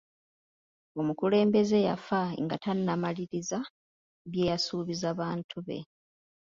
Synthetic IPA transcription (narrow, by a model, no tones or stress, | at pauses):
o̞mukule̞ːmbe̞ze̞jafaŋɡa̰tanːamaliɾiza | βjeːjasuːβizaβaːntʰuβe̞̰